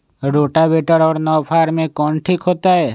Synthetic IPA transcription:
ɾoːʈabeʈəɾɔːɾnɔːpʰaːɾmẽkɔːnʈʰiːkɦoːt̪aɦɛː

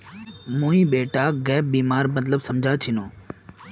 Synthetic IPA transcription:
mũːĩɓeːʈaːɡɛːp̚biːmaːɾmət̪̬ləbsɐmd͡ʑʱaːt͡ʃʰɪnoː

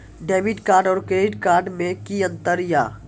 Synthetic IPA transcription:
ɖeːʋiɖkaːɾɖɔːɾkeɪɖkaːɾɖmẽkiə̃nt̪əɾja̰ː

